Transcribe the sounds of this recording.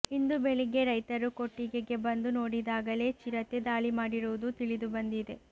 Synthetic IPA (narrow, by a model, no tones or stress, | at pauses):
ind̪ubeɭiɡe̞ɾɐjt̪ɐɾuko̞ʈːiɡeɡe̞bɐnd̪uno̞ːɽid̪aːɡɐle̞ːt͡ʃiɾɐt̪ed̪aːɭimaːɽiɾuud̪ut̪iɭid̪ubɐnd̪id̪e̞